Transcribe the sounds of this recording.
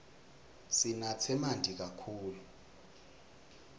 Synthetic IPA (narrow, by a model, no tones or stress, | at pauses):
sinat͡sʰɛmandʱik̬akʰuːlu